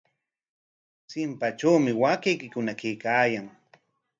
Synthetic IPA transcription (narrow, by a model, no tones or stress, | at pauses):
sɪmpat͡ʃawmɪwakejkɪkʊnakejkaːjaŋ